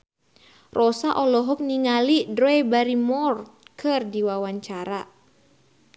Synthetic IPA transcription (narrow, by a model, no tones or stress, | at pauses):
rʔɔsaʔɔlɔɦɔk̚niŋalidɾɔɛbaɾimɔrt̪̚kʰɨrdiwawaɲt͡ʃaɾa